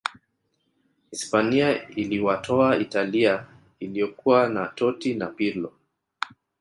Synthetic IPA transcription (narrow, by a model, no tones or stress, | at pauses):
hispaniailiwatʰɔaitalia | ilijɔkuwanatɔtinapilɔ